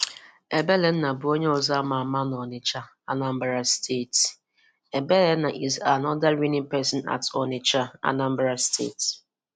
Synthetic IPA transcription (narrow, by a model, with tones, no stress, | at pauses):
e˨be˦le˨˦n̩˦na˨bʊ˨o˦ɲe˦ɔ˨za˦ma˨ma˦n˨ɔ˨nɪ˨t͡ʃa˦ | a˦na˨m̩˦bɾa˦stʰe˦˨t | e˨be˦le˦na˨ʔi˨za˨nɔ˦da˦ɾi˦ni˦pɛ˦sɔ˨na̰˨tɔ˨nɪ˨t͡ʃa˦a̰˦na˦m̩˦bɾa˦stʰḛ˦˨t